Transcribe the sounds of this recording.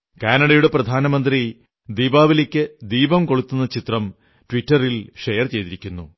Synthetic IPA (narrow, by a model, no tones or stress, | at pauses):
kaːnɐɽɐjuɽe̞prɐd̪ʱaːnɐmɐnd̪ri | d̪iːbaːʋilekʲːɨd̪iːbɐmkoɭut̪ːunːɐt͡ɕit̪rɐm | tʋitːɐrilʂejɐrt͡ɕe̞jt̪iɾikʲːunːu